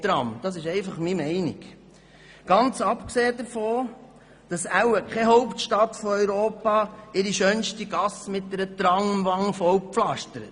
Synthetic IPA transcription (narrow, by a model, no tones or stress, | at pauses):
t̪ɾɑmd̥ɑs̬ɪʃɛɪfɑχmimɛɪnɪ̰k | ɡ̥ɑnt͡sɑpkseːdəɾfoː | d̥ɑsæwəkχɛɦɔwptʃtɑt̪fɔœɥɾoːpɑːɪɾiʃœnʃtiɡ̥ɑsmɪt̚dɛɾət̪ɾɑŋəmʋɑŋːəfɔwpflɑʃtəɾət